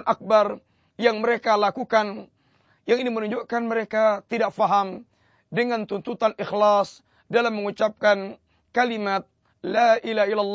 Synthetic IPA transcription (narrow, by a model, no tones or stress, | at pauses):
nʔak̚bar | jaŋməɾekalakukan | jaŋinimənuɲd͡ʒuʔkanməɾekat̪idak̚faɦam | dəŋant̪unt̪ut̪anixlas | dalamːəŋut͡ʃap̚kan | kalimat̪̚ | laʔilaɦailːalː